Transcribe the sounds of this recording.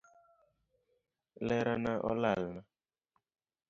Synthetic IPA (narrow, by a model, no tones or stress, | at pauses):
lɛɾanaʔɔ̰lalna